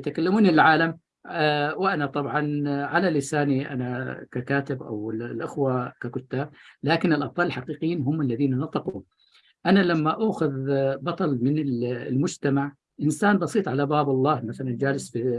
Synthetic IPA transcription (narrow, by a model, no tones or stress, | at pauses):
t̪akalːamuːniɪlʕaːlam | wɪʔanat̪ˤɑbʕɑnʕalalɪsaːniʔa̰nakakaːt̪ɪbʔa̰wɪlʔɪxwakakʊt̪ːaːb̚laːkɪnɪlʔɑb̚t̪ˤɑːlɪlħaqiːqɪjiːnɦʊmːalːaðiːnanɑt̪ˤɑquːm | ʔanalamːaʔaːxʊðbɑt̪ˤɑlmɪnɪllmʊd͡ʒt̪amaʕ | ʔɪnsaːnbɑsiːt̪ˤʕalabaːbɑlˤːɑːhmaθaland͡ʒaːlɪsfi